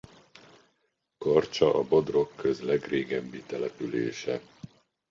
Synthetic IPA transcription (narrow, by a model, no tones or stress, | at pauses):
kɒrt͡ʃɒʔɒbo̞d̪ro̞kːøzlɛɡreːɡɛbːit̪ɛlɛpylḛːʃɛ